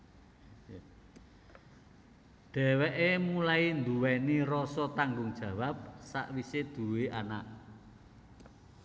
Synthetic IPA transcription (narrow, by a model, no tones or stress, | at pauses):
ɖ̪̥ɛ̤wɛʔemulaind̪uwɛnirɔsɔt̪aŋɡʊŋd̥ʒ̥ä̤wap̚sa̰ʔwised̪̥ṳweʔanaʔ